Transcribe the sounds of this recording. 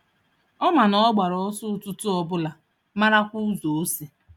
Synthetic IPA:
ɔ˦ma˨nɔ˦ɡ͡ba˨ɾɔ˨˦ɔ˦sʊ˦tʊ˦tʊ˦ɔ˦bʊ˦la˨ | ma˦ɾa˦kʷu˦zo˨o˦si˨

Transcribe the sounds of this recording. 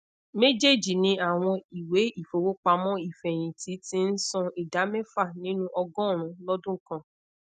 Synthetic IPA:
me˦d͡ʒe˦˨d͡ʒi˨nĩ˧˦a˦˨w̃ɔ̃˧i˨we˨˦i˦˨fo˨wo˦k͡pa˧mɔ̃˦i˦˨fɛ˨j̃ĩ˨ti˨˦tĩ˦n̩˦sɔ̃˧i˨da˨˦mɛ˦fa˦˨nĩ˦nũ˦ʔɔ˧ɡɔ̃˦˨ɾ̃ũ˨˦lɔ˦dũ˦kã˧

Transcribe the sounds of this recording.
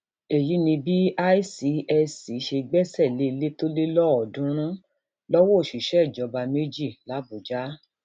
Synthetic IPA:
e˨ji˨˦nĩ˧bi˦a˦i˦si˨˦ɛ˧si˨˦ʃe˧ɡ͡bɛ˦sɛ˦˨le˨˦i˧le˦to˦le˦lɔ˦ɔ˨dũ˨˦ɾ̃ũ˦ | lɔ˦wɔ˦o˦˨ʃi˨ʃɛ˦˨d͡ʒɔ˨˦ba˧me˦d͡ʒi˦˨la˨˦bo˨d͡ʒa˨˦

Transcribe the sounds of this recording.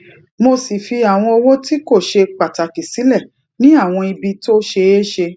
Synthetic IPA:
mo˧si˨fi˧a˨w̃ɔ̃˧ɔ˧wo˦ti˦ko˦˨ʃe˧k͡pa˨ta˨ki˨si˨˦lɛ˦˨ | nĩ˦a˦˨w̃ɔ̃˧i˧bi˧to˦ʃe˧e˦ʃe˧

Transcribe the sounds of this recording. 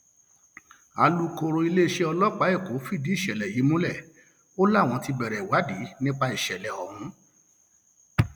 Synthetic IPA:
a˧lu˧ko˧ɾo˧i˧le˦˨ʃe˧ɔ˧lɔ˦k͡pa˨˦e˦˨ko˨˦fi˦˨di˨˦i˦˨ʃɛ˨lɛ˨ji˨˦mũ˦lɛ˦˨ | o˦la˦˨w̃ɔ̃˧ti˧bɛ˨ɾɛ˨wa˨˦di˨˦nĩ˦k͡pa˧i˨ʃɛ˨lɛ˨ɔ˨mũ˨˦

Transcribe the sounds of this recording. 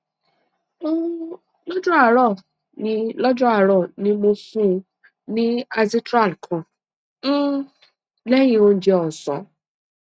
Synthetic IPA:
o˦ | lɔ˦d͡ʒɔ̃˦a˦˨ɾɔ˦˨ | nĩ˧lɔ˦d͡ʒɔ˦a˦˨ɾɔ˦˨nĩ˧˦mo˧fũ˦˧ | nĩ˦a˧zi˦tɾa˦˨lkʰɔ̃˨˦ | lɛ˦jĩ˧o˧n̩˨˦d͡ʒe˧ɔ˨sɔ̰̃˨˦

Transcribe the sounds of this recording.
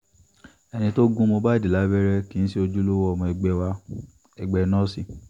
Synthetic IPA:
ɛ˧nĩ˧to˦ɡũ˦mõ˧ba˦i˦˨di˨la˨˦bɛ˦ɾɛ˦ki˦ñ̩˦si˦o˧d͡ʒu˦lo˦wɔ˦˨mɔ̃˧ɛ˧˨ɡ͡bɛ˦wa˧ | ɛ˨ɡ͡bɛ˧˦nɔ̃˦si˦˨

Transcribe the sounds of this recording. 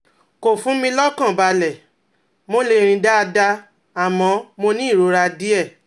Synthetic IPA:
ko˨fũ˨˦mĩ˧lɔ˦kã˦˨ba˧lɛ˨ | mo˦le˧ɾ̃ĩ˧da˦˧da˧ | a˨mɔ̃˨˦mo˧nĩ˦˨ɾo˧˦ɾa˧di˦ɛ˦˨

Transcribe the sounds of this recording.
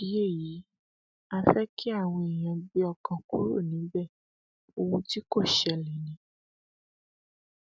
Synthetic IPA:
i˨˦je˦˨ji˨˦ | a˧fɛ˦kʰi˦a˦˨w̃ɔ̃˧e˨j̃ã˧bi˦ɔ˧kã˧ku˦ɾo̰˦˨nĩ˨˦bɛ˦˨ | o˧wũ˧ti˦ko˦˨ʃɛ˧lĩ˨nĩ˨˧˦

